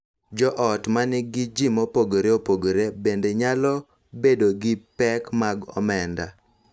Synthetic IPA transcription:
d͡ʒɔʔɔtmanɪɡɪd͡ʒimɔpoɡoɾeopoɡoɾebendeɲalɔ | bedoɡɪpɛkmaɡɔ̰mɛnda̰

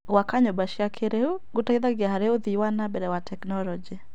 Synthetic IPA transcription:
wakaɲɔbaʃiakʰeɾɛuɡutaiðaɡɪaɦaɾɛʊðiwanabɛɾɛwatʰɛknɔlɔd͡ʒi

